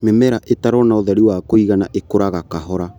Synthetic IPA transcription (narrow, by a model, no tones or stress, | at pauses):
mɛmɛɾaʔetaɾɔnaoðɛɾiwakoiɣanaʔekoɾaɣakaɦɔɾa